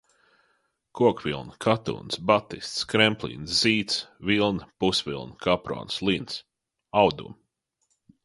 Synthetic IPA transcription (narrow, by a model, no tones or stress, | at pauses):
kuɔkvilˠnkʰat̪ṵːnsbat̪ist̪skɾɛmplḭːnsz̥iːt̪svilˠnpusvʲḭlˠnkapɾɔ̰ːnslˠins | awd̪ṵm